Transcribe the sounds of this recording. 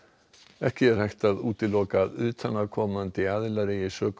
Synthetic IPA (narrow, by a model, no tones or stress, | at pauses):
ɛhcɪɛɾ̥hajxt̪aðuːt̪ɪlɔːkaðʏːt̪ʰanavkʰɔːmant̪ɪaðɪlaɾɪisœːk